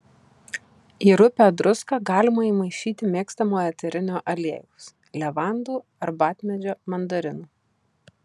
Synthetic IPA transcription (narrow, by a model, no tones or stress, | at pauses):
iːɾʊpʲæd̪ɾʊskɑːɡɑːlʲɪmɐiːmɐɪʃʲiːt̪ʲɪmʲeːkst̪ɐmoːjɛt̪ʲɛɾʲɪnʲoːʔɐlʲeːjɛʊs | lʲɛʋɑˑnd̪uː | ɐɾbɑːt̪ʲmʲɛd͡ʒʲoːmɐnd̪ɐɾʲɪnuː